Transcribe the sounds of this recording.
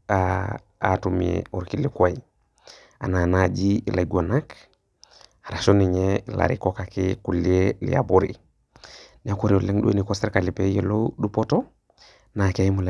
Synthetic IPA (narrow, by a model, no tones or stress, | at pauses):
a | a̰tumḛuɾkilikaji | a̰nanad͡ʒilaɡonak | aɾaʃoniɲela̰ɾḭkokakekulielḭa̰buɾḭ | niakuɾioleŋɗṵenikoseɾkalipejeloɗupoto | nakeimule